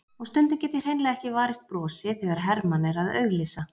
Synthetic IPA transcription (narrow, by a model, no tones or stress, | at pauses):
ɔɣst̪ʏnt̪ʏɾcɛːt̪ɪɾ̥heːjnlɛːɣɛhcɪvaːɾɪst̪̚pɾɔːsɪθɛɣaɾ̥ɦɛɾmanɛɾaðœ̰ːɥɣlɪːsa